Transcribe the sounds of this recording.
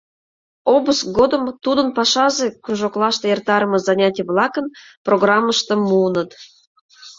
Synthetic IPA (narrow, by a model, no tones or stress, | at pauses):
obəsɡod̪ə̆mt̪ud̪ənpɑʃɑzekruʒoklˠɑʃt̪ɤjert̪ɑɾəmɤ̆zɑnʲɑtʲijəβlˠɑkən | proɣrɑmːəʃt̪ə̆mːunət̪